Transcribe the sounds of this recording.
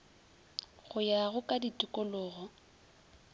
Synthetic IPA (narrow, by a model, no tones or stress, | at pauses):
ɣʊjaɣʊkʼaditʼʊkʼʊlʊːɣɔ